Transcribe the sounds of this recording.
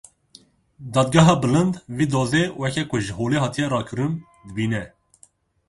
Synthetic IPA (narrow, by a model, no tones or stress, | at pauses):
d̪ɑːd̪̚ɡɑɦɑːbɨlənd̪viːd̪oːzewɛkʰɛkʰʊʒəhoːleːhɑːt̪ʰijɛɾɑːkʰɨɾun | d̪əbiːnɛ